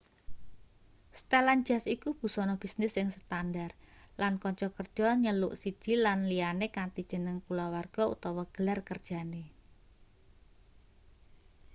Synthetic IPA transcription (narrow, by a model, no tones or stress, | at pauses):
st̪eland͡ʒa̤sikub̥ṳsɔnɔb̥i̤snɪsɪŋsət̪andarlankɔɲt͡ʃɔkərd̥d͡ʒ̥ɔɲəlʊʔsid̥ʒ̥i̤lanlianekant̪id̥ʒ̥ə̤nəŋkulawarɡ̥ɔ̤ṵt̪ɔwɔɡ̥ə̤larkərd̥ʒ̥a̤ne